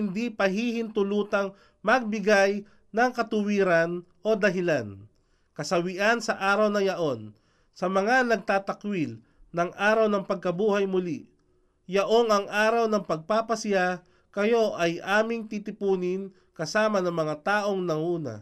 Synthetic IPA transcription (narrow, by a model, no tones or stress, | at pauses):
hɪnd̪ipɐɦihɪnt̪ʊluːt̪ɐŋ | mɐɡ̚bɪɡaj | nɐŋkɐt̪ʊwiːɾɐn | ʔo̞d̪ɐɦɪlan | kɐsɐwɪʔansɐʔaːɾɐwnɐjɐʔo̞n | sɐmɐŋanɐɡ̚t̪aːt̪ɐkwil | nɐŋʔaːɾɐwnɐŋpɐɡ̚kɐbuːhajmʊli | jɐʔo̞ŋɐŋʔaːɾɐwnɐŋpɐɡ̚paːpɐsɪja | kɐjo̞ʔɐjʔaːmɪŋt̪iːt̪ɪpuːnɪn | kɐsaːmɐnɐŋmɐŋat̪aːʔo̞ŋnɐŋuːnɐ̰